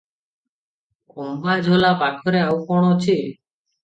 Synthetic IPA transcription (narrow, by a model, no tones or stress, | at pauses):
kombad͡ʒʱolapakʰɔɾeawkɔɽ̃ot͡ʃʰi